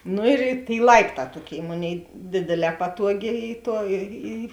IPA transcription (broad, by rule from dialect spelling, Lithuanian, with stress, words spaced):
ˈnʊ ɪr ɪ tʲeːɪ ˈlˠɐɪpˌtɑː ˈtuɔˌkʲeːɪ ˈmoːˌnʲeːɪ ˈdʲeːdʲeːˌlʲɛː ˈpɑːtuɔˌɡʲeː ˈiː ˈtuɔ ˈiː ɪ